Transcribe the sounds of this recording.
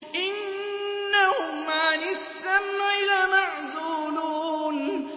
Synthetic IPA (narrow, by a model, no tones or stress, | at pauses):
ʔɪnː | ahʊmanɪsːamʕɪlamaʕzuːluːn